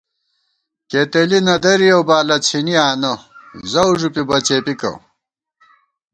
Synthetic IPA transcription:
ket̪elinɐd̪ɐɾijowbaːlɐt͡sʰiniaːnɐzɐwuʐupibɐt͡ɕeːpikɐ̰

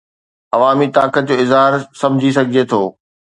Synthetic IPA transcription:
ɐʋaːmit̪aːkət̪̚d͡ʑoːɪzɦaːɾsɐ̃md͡ʑʱis̬ɐɡʱiet̪ʰoː

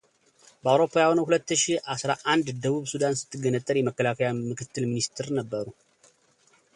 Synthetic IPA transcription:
bəawɾo̞pʰːajahonəwhulət̪ːɨʃihʔasɾaʔand̪d̪əβuβsud̪ansɨ̥t̪ʰːɨɡənət̪ʼːəɾjɛməkːəlakʰəjamɨkʰɨt̪ʰːɨlminist̪ʰɨɾnəbːəɾu

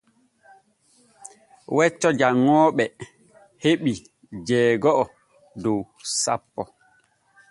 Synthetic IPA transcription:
wɛt͡ʃːɔd͡ʒaŋːɔːɓɛ | heɓi | d͡ʒɛːɡɔʔɔ | dow | sa̰pːɔ

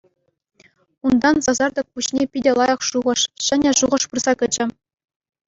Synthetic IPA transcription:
und̪ɑnzɑzɑrd̪ɤ̆k̚puɕnʲepʲidʲelˠɑjɑ̆χʂuʁɤ̆ʂɕɘ̆nʲɘ̆ʐuʁɤ̆ʂpurz̥ɑkʲɘ̆d͡ʑɘ̆

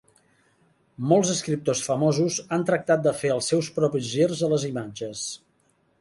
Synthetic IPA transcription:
molˠzəskɾip̚t̪osfəmozuzant̪ɾək̚t̪at̪̚d̪əfeəlˠsːɛwspɾɔpizʒirzələzimad͡ʒəs

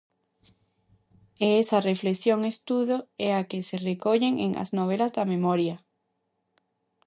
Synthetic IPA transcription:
eesarefleksjoŋest̪uðoɛakeserekoʎeŋḛŋʔa̰znoβ̞elazðɐmẽmoɾja

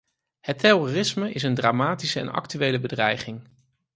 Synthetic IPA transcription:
hətːɛrorɪsməɪs̬əndraːmaːtisəɛ̰nɑ̰ktyʋejləbədrɛjχɪŋ

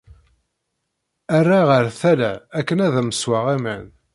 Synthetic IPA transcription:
ærːaʁəɾθælæækːənæðæməswaʁæmæn

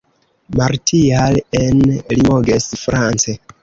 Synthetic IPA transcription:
maɾtʰialenlimoɡesfɾant͡se

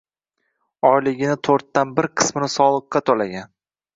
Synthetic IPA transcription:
ɒjlɪɡʲɪnɪt̪ʰoɾt̪ːanbɪɾqʰɨ̥smɪnɪsɒlˠɨqːɑt̪ʰolaɡʲan

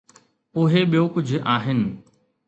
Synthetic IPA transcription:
ʊɦeɓijokʊd͡ʑʱʊaːɦɪnɪ̆

